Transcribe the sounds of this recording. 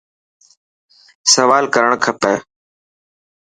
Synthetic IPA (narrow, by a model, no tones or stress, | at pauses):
səʋaːlkəɾəɳ̃kʰəpɛː